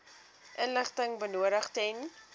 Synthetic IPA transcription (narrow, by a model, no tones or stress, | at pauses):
ʔənləχtəŋbənuəɾəχtɛn